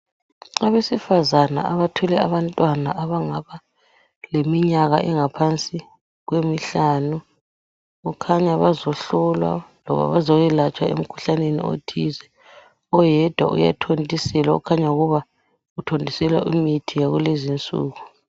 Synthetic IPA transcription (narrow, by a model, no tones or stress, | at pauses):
aβesifazana̰aβatʰɔlɛaβantʼwanaʔaβaŋaβa | lemiɲaɣaʔɛŋapʰant͡sʼi | ɣwemiɬaːnu | ukʰaɲaβazɔɬɔlwa̰lɔ̰βa̰βazɔjɛlat͡ʃʼwaḛm̩kʰu̥ɬanenḭo̰tʰizɛ | ɔjɛd̥ʱwa̰ʔṵja̰tʰontʼisɛlaṵkʰaɲauɣuβa | utʰondʱisɛlwa̰ʔimitʰijaɣulezint͡sʼṵːɣu